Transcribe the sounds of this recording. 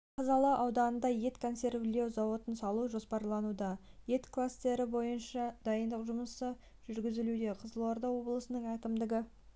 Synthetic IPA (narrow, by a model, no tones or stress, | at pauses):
qʰɑzɑlˠɑwʔɑwd̪ɑnənd̪ɑje̞t̪kʰo̞nse̞rvlʲewzɑwo̞t̪ənsɑlˠuʒo̞spɑɾlˠɑnud̪ɑje̞t̪klˠast̪e̞ɾɪbo̞jənʃɑd̪̥ɑjənd̪əqʒʊməsə | ʒ̥ʏɾɡʲɪzɪlud̪e̞qʰəzəlˠo̞ɾd̪ɑwo̞blˠəsənəɴækʲɪmd̪ɪɡʲɪ